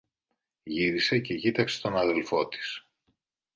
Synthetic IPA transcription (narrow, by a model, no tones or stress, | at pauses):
ʝiɾise̞ce̞cit̪ɐksest̪o̞nɐðe̞lfo̞t̪i̥s